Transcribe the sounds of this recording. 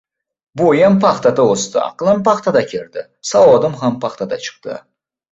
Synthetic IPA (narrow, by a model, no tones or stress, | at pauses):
bojampʰɑχt̪ʰad̪aost̪ɪ̰ɑ̰qɨlˠampɑχt̪ʰad̪akʲʰeɾd̪ɪ | sawɒd̪ɪmɦampʰɑχt̪ʰad̪a̰t͡ʃʰɨ̥qt̪ɨ̰